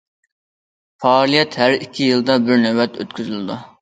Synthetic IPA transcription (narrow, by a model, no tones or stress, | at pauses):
pʰɑlˠijɛt̪hæɾikʲʰːijɨlˠd̪ɑbɪɾnɛwɛt̪ʰø̰t̪kʲʰyzylɪd̪u